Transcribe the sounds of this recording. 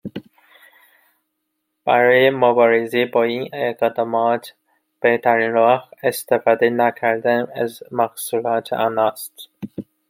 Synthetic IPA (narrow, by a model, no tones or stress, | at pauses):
b̥æɾɒːjemobɒːɾezebɒːiːneɡed̪ɑmɒːt̪ʰ | b̥eht̪ʰæɾiːnɾɒːhest̪efɒːd̪enækʰæɾd̪ænæzmæxsuːlɒːt̪ʰɒːnɒːst̪